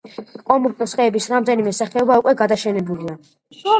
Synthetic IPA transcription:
kʼɔmuɾkɔsχɛːbisɾamd̪ɛnimɛsaχɛɔbaukʼwɛɡad̪aʃɛnɛbulia

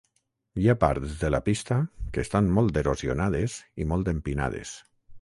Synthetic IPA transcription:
japa̰ɾt̪zðela̰pist̪akeːst̪anmɔlˠt̪eɾozionað̞ezimɔlˠt̪empina̰ð̞ḛs

